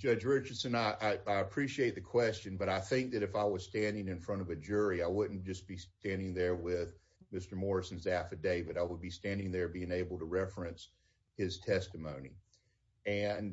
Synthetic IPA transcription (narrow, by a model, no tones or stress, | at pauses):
d̥d͡ʒʌd͡ʒɹɪt͡ʃə˞d̥sɨ̃naɪʔaɪaɪəpʰɹ̥iʃieɪt̪̚ðɨkʰw̥ɛst͡ʃɨ̃nbʌɾaɪθɪ̃ŋk̚ðɨɾɨfaɪwʌz̥stæ̃ndɪ̃ŋɨ̃nfɹʌ̃ɾ̃ʌvɨd͡ʒʊɹiaɪwʊdⁿn̩d̥ʒ̥ʌsb̥istæ̃ndɪ̃ŋðə˞wɪð | mɪstə˞mɔɹɨsn̩zæfɨdeɪvɨɾaɪwəd̚bistæ̃ndɪ̃ŋðə˞biɪ̃ŋeɪbl̩ˠtəɹɛfɹɨ̃ns | hɪz̥tʰɛstɨmõʊ̃nḭ | ɨ̃n